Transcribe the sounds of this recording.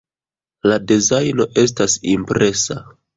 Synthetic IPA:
ladezajno̞ʔe̞s̬tasimpɾe̞sa

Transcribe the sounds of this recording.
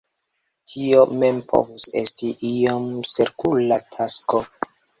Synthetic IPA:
tʰio̞me̞mpʰo̰vusestiʔiomseɾkulatʰasko

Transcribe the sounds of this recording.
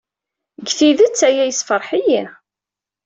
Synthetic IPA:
ɡθiðət͡sːæjæjsfəɾˤħiji

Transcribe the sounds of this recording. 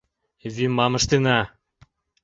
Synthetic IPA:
vimɑmɤ̆ʃt̪enɑ

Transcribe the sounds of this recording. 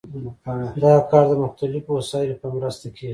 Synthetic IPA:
d̪aakɑɾd̪əmʊxt̪alɪfwasɑjɪlopəmɾəst̪akʰe

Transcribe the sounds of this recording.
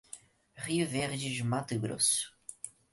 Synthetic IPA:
ʁiʊveɾd͡ʒɪd͡ʒɪmat̪ɪɡɾo̰sʊ̥

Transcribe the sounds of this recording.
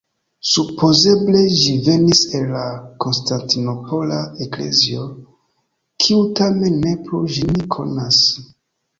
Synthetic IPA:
supʰo̞ze̞ble̞ʒive̞niselːako̞nstantino̞po̞laekle̞̰zio̞ | kʰiutame̞nːe̞pɾuʒinikʰo̞̰nas

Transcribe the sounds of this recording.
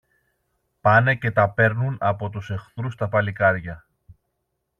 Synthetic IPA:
pɐnece̞t̪ɐpe̞ɾnunɐpo̞t̪use̞xθɾust̪ɐpɐlikɐɾʝɐ

